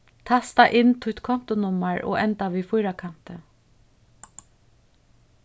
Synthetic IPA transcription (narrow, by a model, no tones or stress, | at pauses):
t̪ʰast̪aʔɪnt̪ʰʊt̪kʰɔm̥t̪ʊnʊmaɹɔ̰ɛnt̪aʋiːfʊjɾakʰan̥t̪ə